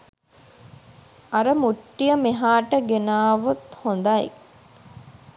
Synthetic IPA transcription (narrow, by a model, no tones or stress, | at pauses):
aɾəmuʈːijəmeɦaːʈəɡenaːʋut̪hond̪ajḛ